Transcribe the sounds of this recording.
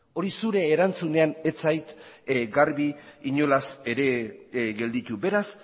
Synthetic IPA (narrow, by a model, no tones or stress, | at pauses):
o̞ɾisuɾe̞ːɾant͡sune̞ane̞t͡sajt̪ɡaɾβiiɲo̞lase̞ɾe̞ɡe̞ld̪it̪ube̞ɾas